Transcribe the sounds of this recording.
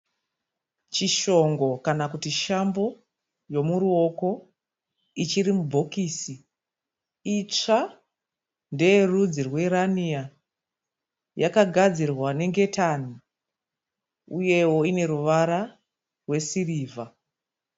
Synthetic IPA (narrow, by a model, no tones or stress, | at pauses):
t͡ʃiʃo̞ŋɡo̞kanakutiʃambo̞ | jo̞muɾuo̞ko̞ | it͡ʃiɾimubʱo̞kiːsi | it͡ʂa | nde̞jerud͡zirwe̞ɾania | jakaɡʱad͡zirwane̞ŋɡe̞tani | uje̞wo̞ine̞ɾuʋaɾa | rwe̞siriːva